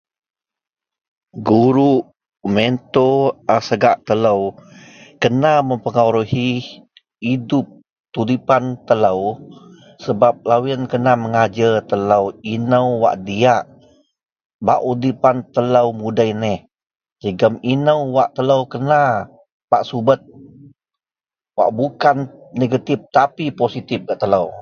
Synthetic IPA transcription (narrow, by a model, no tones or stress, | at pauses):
ɡuɾuʔ | ment̪oasəɡaʔt̪ələw | kənaməmpəŋawɾuhiː | dup̚ | t̪udipant̪ələw | səbap̚lawinkənaməŋad͡ʒət̪ələwinəwwa̰ʔdiaʔ | ba̰ʔudipant̪ələwmudajnɛh | d͡ʒəɡəminəwwaʔt̪ələwkəna | paʔsubət̪̚ | wa̰ʔbukanneɡat̪ɪp̚t̪apiposit̪ɪp̚ɡaʔt̪ələw